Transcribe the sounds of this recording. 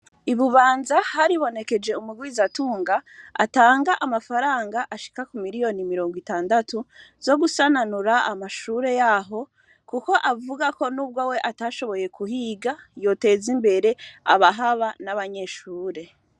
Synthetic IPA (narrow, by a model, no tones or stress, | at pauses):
iβuβaːnzahaɾiβo̞ne̞ke̞d͡ʒe̞umuɡwizatuːŋɡaa̰taːŋɡaʔamafaɾaːŋɡaʔaʃi̥kakumiɾijo̞nimiɾo̞ːŋɡwitaːndatuz̥o̞ɡusananuɾaamaʃuːɾe̞jaɦo̞ | kuko̞ʔavuɡako̞nuːb̚ɡowe̞ʔataʃo̞βo̞je̞kuhiːɡajo̞te̞ːzimbe̞ɾe̞a̰βaɦaβanaβaɲe̞ʃuːɾe̞